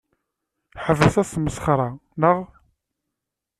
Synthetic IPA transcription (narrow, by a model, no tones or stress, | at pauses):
ħəvəθæsməsχɾˤɑnəʁ